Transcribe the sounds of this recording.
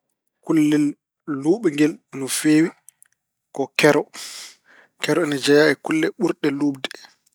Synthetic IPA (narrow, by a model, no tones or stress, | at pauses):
kulːɛlː | uːɓɛŋɡɛlnɔfeːwi | kɔkɛɾɔ | kɛɾɔɛnɛd͡ʒajaɛkulːɛɓuɾɗɛluːbdɛ